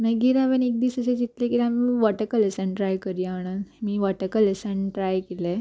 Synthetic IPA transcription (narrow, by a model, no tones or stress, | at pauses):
nəɡiɾaʋənek̚d̪isəsed͡ʑit̪lekiɾamiʋaʈəkəlesənʈɾajkəɾiaɽ̃əmiːʋaʈəkəlesənʈɾajkile